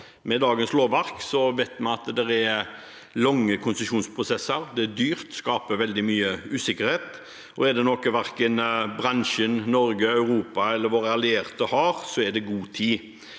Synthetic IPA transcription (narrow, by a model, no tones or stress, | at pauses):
mɛd̪ɑːɡənsloːʋɑɾksɔʋæɪt̪mɑnɑt̪d̪ɛɾæɾ | lɔŋːəkʰʊnsəʃuːnspʰʁʊsɛsːəɾd̪ɛæd̪yːɾt̪skɑːpəʋɛld̪ɪmyːəʉːsɪkəɾheːt̪ | ɔɛd̪ɛnɔkːʋæɾkənbɾɑnʃənnɔɾɡəɑʉɾuːpɑɛlːəɾʋoːɾəɑlɪeːɾt̪əhɑɾsɔæɖ̪ɛɡuːt̪ʰiː